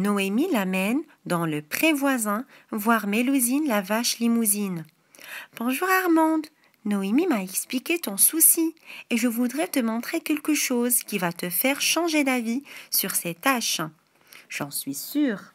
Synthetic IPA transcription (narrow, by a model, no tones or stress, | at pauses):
nɔemilamɛn | d̪ɑ̃ləpχɛ̃vwazɛ̃vwaʁmelozinlavaʃlimuzin | pɔ̃ʒuʁaʁmɑ̃d̪ | nɔemimaɛksplikʲet̪ɔ̃susieʒəvud̪ʁɛt̪əmɔ̃t̪χekʲɛlkəʃozkʲivat̪əfɛʁʃɑ̃ʒed̪avisyʁsɛt̪aʃ | ʒ̥ɑ̃sɥisyːʁ